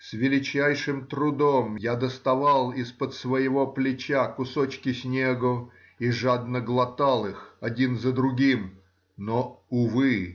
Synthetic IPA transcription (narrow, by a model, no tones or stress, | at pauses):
svʲɪlʲɪt͡ɕæjʂɨmt̪ɾʊd̪omjad̪əst̪ɐvalˠɪspət̪svəjɪvo̞plʲɪt͡ɕakʊsot͡ɕkʲɪsʲnʲeɡʊ | iʐad̪nəɡlˠɐt̪alˠɨxɐdʲinzəd̪ɾʊɡʲim | noʊvɨ